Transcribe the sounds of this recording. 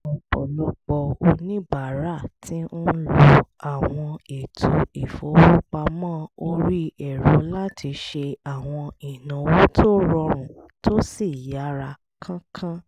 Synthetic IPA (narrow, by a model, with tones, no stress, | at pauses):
ɔ˨k͡pɔ̰˨lu˨˦k͡pɔ˧o˧nĩ˦ba˨ɾa˦˨tʰĩ˦o˦lo˨a˨w̃ɔ̃˧e˨tʰo˧˦i˨fo˨˦wo˦k͡pa˧mãː˦o˧ɾi˦ɛ˨ɾo˨˦la˦ti˨˧˦ʃe˧a˨w̃ɔ̃˧i˨nã˨˧wo˦tʰo˦ɾɔ˧ɾ̃ũ˨to˦si˦˨ja˨˦ɾa˧ | kʰã˦kʰã˦